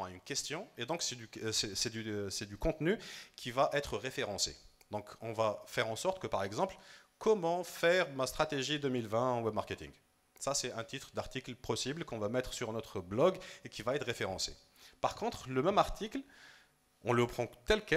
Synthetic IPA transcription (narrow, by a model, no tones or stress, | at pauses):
aynkʲɛst̪jɔ̃ed̪ɔ̃ksɛd̪ysɛsɛd̪ysɛd̪ykɔ̃t̪nykʲʰivaʔɛt̪χəʁefeʁɑ̃sḛ | d̪ɔ̃kɔ̃vafɛʁɑ̃sɔʁt̪kəpaʁɛɡzɑ̃plkʰɔmɑ̃fɛʁmast̪χat̪eʒid̪ømilvɛ̃ɑ̃wɛbmaʁket̪ḭŋɡ | sasɛɛ̃t̪it̪χd̪aʁt̪iklpɔsiblkɔ̃vamɛt̪χsyʁnɔt̪χəblɔɡekʲivaɛt̪χʁefeʁɑ̃sḛ | paʁkɔ̃t̪χləmɛmaʁt̪ʰikl | ɔ̃lɔpχɑ̃t̪ɛlkɛ